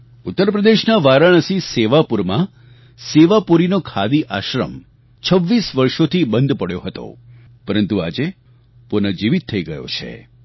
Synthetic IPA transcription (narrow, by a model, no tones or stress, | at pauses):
ut̪ːəɾpɾəd̪eʃnaʋaɾaɳ̃əsiseʋapuɾmã | seʋapuɾinokʰad̪iʔaʃɾə̰m | t͡ʃʰəʋːisʋəɾʃot̪ʰibənd̪ʱpəɽjoɦət̪o̰ | pəɾənt̪ua̰d͡ʒe | pʊnəd͡ʒiʋit̪ʰːəiɡəjo̰t͡ʃʰḛ